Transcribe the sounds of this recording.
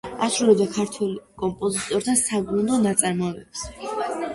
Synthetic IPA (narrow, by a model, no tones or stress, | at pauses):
asɾulɛbd̪akʰaɾt̪ʰwɛlkʼɔmpʼɔzit̪ʼɔɾt̪ʰasaɡɾund̪ɔnat̪sʼaɾmɔɛvɛps